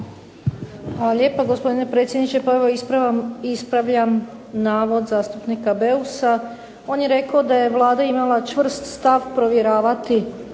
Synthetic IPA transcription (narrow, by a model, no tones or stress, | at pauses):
ale̞ːpaɡo̞spo̞d̪inepɾe̞t̪sʲjed̪nit͡ʃepoeʋo | ispɾaʋʎam | naːʋo̞d̪zaːst̪upnikabe̞usa | o̞ːnjeɾe̞kaod̪aje̞ʋlˠaːd̪aimalˠat͡ʃʋr̩st̪st̪aʋpɾo̞ʋjeɾaːʋat̪i